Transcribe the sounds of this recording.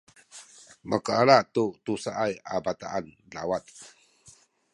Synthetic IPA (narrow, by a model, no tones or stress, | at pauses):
məkaalat̪ut̪usaʔaja̰bat̪a̰ʔan | lawat̪̚